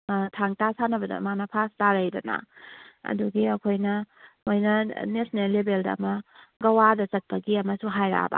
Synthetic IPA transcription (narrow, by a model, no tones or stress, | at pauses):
tʰaŋtasanɐbɐdɐ̰manɐpʰastaɾɐjdɐna̰ɐ̰duɡiɐkʰojnɐojnɐnesnelːebeldɐ̰ːmɐɡɐwadɐt͡ʃɐt̚pɐɡiɐmɐsuɦajɾa̰ba̰